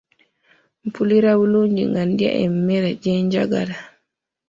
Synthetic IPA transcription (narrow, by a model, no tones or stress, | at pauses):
mpuliɾawuloɲd͡ʒḭŋɡandia̰ʔɛ̰mːɛɾad͡ʒɛɲd͡ʒaɡa̰la